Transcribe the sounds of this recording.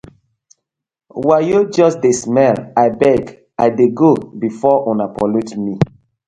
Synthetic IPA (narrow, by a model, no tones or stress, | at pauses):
wajod͡ʒɔsdesmɛlaɪbɛɡ | a̰ɪdeɡobifɔʔɔ̃napɔlotmi